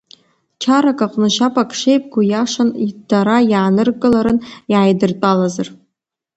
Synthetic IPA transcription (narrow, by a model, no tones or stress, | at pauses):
t͡ʃʰaɾakʼaqʼnɨʃapʼakʰʼʂejpʼɡʷujaʂanidaɾajaːnɨrkʼɨlaɾɨnjʕajdɨrt͡pʼalazar